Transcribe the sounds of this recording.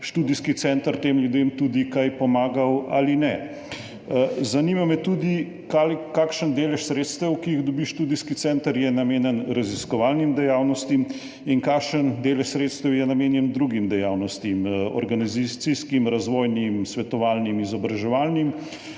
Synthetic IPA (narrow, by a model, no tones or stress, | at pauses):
ʃt̪uːd̪iskit̪sɛnt̪əɾt̪eːmljud̪eːmt̪uːd̪ikajpɔmaːɡawa̰linɛ | zɐnimamɛt̪ud̪i | kalkaːkʃənd̪eːlɛʃsɾeːt̪st̪əwkiiɣd̪ɔbiʃt̪uːd̪iskit̪sɛnt̪əɾjɛnameːnjɛnɾaziskɔʋaːlnimd̪ɛjaːwnɔst̪im | inkaːkʃənd̪eːlɛʃsɾet̪st̪əwjɛnameːnjɛnd̪ɾuɡimd̪ɛjaːwnɔst̪imɔ̰ɾɡanizit̪siskimɾazʋoːjnimsʋɛt̪ɔʋaːlnimizɔbɾaʒɛʋaːlnim